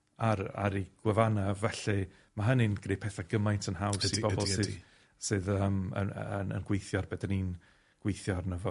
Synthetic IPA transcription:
aɾa̰ɾiɡ̥wɛvanavɛɬɨ | maɦənɨnɡ̥rejpʰɛθaɡəmajntʰənhawsibɔbɔlˠsɨð | sɨːðəmə̰nənə̰nɡ̥wejθjɔrbɛdanin | ɡ̥wejθjɔrnəvɔ

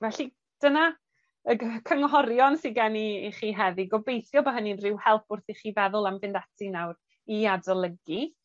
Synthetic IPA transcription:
vɛɬi | d̥əna | əkʰəŋɦɔɾjɔnsiɡaniχiːɦɛðiɡɔbejθjɔbaɦəninrɪwhɛlˠp̚ʰʊrθiχiːvɛðʊlˠamvɪndatʰinawɾ | iadɔlˠəɡi

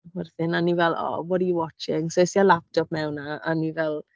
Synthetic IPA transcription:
wɛrθɪnanivɛlˠɔ̰wɔdiwɔt͡ʃɪŋsojsialap̚tʰɔp̚mɛwnaanivɛlˠ

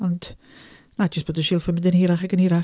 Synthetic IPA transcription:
ɔnd̥ | nḁd͡ʒəst̚b̥oːdəʃɪːlˠfəmɪndənhiːɾaχaɡənhiːɾa

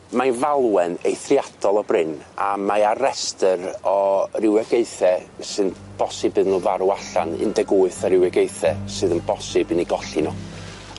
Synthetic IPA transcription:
manvalˠwɛnejθrjadʰɔlˠɔbrɪnamajaɾɛstəɾɔrɪwɛɡeɨθɛsɨnb̥ɔsɨbɨðnɔvaɾuaɬanɨ̰ndɛɡuɨθɔɾɪwɛɡeɨθɛsɨðənbɔsɨbɨniɡɔɬinɔ

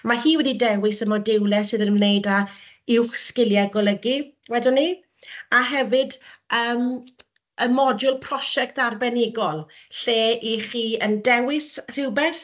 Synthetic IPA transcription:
mahiːwɛdidɛwɪsəmɔdɪwlˠɛsɨːðənmnejda | ɪwχskɪljaɡɔlˠəɡiwɛdʊnːi | aɦɛvɨdəːm | əmɔdʊlˠpʰr̥ɔʃɛk̚tarbɛnɪɡɔlˠɬeːiχiːəndɛwɪsr̥ɪwbeːθ

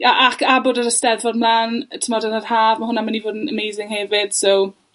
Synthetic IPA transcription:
jaʔakʰaboːdəɾəstɛrðvɔdmlˠaːntʰəmɔdənar̥haːvmaɦʊnamanivoːdənəmejzɪŋhɛvɪd̥sow

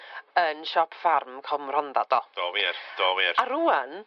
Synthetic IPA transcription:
ənʃɔpʰfarmkʰɔmr̥ɔndad̥ɔd̥oːvird̥oːviːraɾuːan

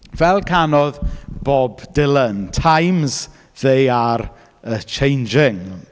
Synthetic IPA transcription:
vɛlˠkʰanɔðb̥ɔbdɪlˠəntʰajmz | ðejaɾ | ət͡ʃʰejnd͡ʒɪŋ

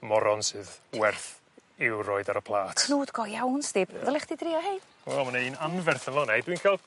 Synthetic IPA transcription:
mɔɾɔnsɨðwɛrθ | ɪwroɨdaɾəpʰlˠaːtʰnuːd̥ɡɔjawnsd̥ɪbðɔlˠɛχd̥idrɪɔhejd̥ | wɛ̰lˠmanainanvɛrθənvɔnɛjdwiːnkʰɛlˠ

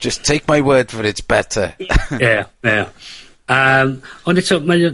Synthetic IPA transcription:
ʒ̥ʌstʰːejk̚ʰmajwəːdvəɾɪtsb̥ɛtʰəjɛjɛ | əmɔndɪtʰɔmaj

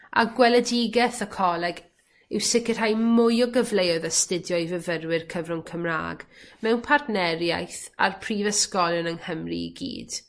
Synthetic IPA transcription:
a̰ɡwɛlˠədɪɡɛθəkʰɔlˠɛɡ | ɪwsɪkɪr̥hajmʊjɔɡəvlˠejɔðastɪdjɔɨvəvərwɪrkʰəvrʊŋkʰəmra̰ːɡ̥mɛwnpʰartnɛrja̰jθa̰rpʰr̥ivəskɔlˠənəŋhəmrḭɡḭːd̥

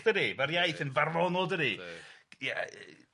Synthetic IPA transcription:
dəɾivarjajθənvarɔnɔdəɾija̰

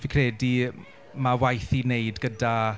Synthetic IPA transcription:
vikʰrɛdi | mawajθineɨdɡəda

